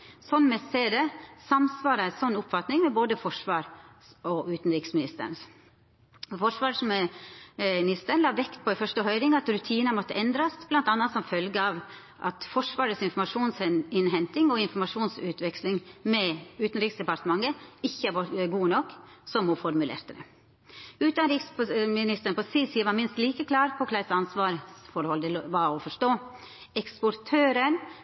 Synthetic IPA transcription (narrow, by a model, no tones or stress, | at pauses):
sɔnːmɛseːd̪ɛsɑmsʋɑːɾəæsɔnːʊpfɑt̪nɪŋmɛboːd̪əfɔʂʋɑːɾ | ɔʉːt̪n̩ɾɪksmɪnɪst̪ə̰ɳ | fɔʂʋɑːʂmɪ | nɪst̪əɳlɑːʋɛkt̪̚pʰɔɪfœʂʈəɦœʏɾɪŋɑt̪ɾʉt̪ʰiːnəmɔt̪ːəʔɛnd̪ɾɑsb̥lɑnt̪ɑnːɑt̪sɔmfœlɡəɑːʋ | ʔɑ̰t̪fɔʂʋɑːɾət̪sɪnfɔɾmɑʂuːnsɪnɦɛnt̪ɪŋɔɪnfɔɾmɑʂuːnsʉːt̪ʰʋɛkslɪŋmɛʉːt̪nɾiːksd̪ɛpɑɾt̪əmɑŋːəɪçːəæʋɔɡuːnɔkː | sɔmɔfɔɾmʉlḛːɾt̪əd̪ɛ̰ | ʉːt̪ɑnɾɪkspmɪnɪst̪əɾɳ̩pɔsiːsiːəʋɑɾmɪnst̪liːkəkʰlɑːɾpʰɔkʰlæɪsɑnsʋɑːɾsfɔɾhɔld̪ɛʋɑɔfɔʂʈoː | ɛkspɔɾt̪ʰøːɾən